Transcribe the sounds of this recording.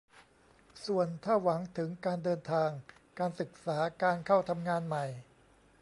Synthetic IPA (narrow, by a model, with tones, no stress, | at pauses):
su˨˩ənt̪ʰaː˥˩wa˩˦ŋt̪ʰɯ˩˦ŋkaː˧ndɤː˧nt̪ʰaː˧ŋkaː˧nsɯ˨˩k̚saː˩˦kaː˧nkʰa˥˩wt̪ʰa˧mŋaː˧nma˨˩j